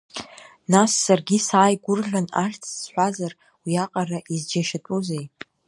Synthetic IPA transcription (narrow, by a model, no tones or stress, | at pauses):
nasːarɡʲisaːjɡʷʊrɮana̰χʲt͡sʰz̥ħʷazar | wiaqʼaraʔizd͡ʒaʃatʼuzej